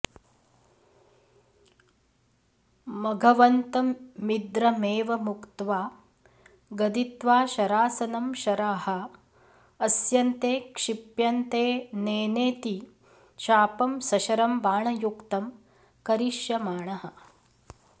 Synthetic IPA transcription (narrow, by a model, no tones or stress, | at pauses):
mɐɡʱɐʋɐnt̪ɐːid̪ɾɐmeːʋɐmukt̪ʋaː | ɡɐd̪it̪ʋaːʃɐɾaːsɐnɐmʃɐɾaːhɐ̆ː | sjɐnt̪eːkʂipjɐnt̪eːneːneːt̪i | ʃaːpɐmsɐʃɐɾɐmbaːɳɐjukt̪ɐm | kɐɾiʃjɐmaːɳɐɦɐ̆